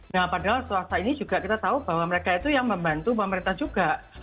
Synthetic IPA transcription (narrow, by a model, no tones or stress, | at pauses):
nahpadaɦalt̪uasainid͡ʒuɡaʔkit̪at̪aubaɦwaməɾekait̪ujaŋməmbant̪upəməɾint̪ahd͡ʒuɡaʔ